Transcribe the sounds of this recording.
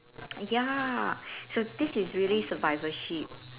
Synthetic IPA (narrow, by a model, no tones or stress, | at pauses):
ja | sod̪ɪsɪzɹiəlisəvaɪvəʃip̚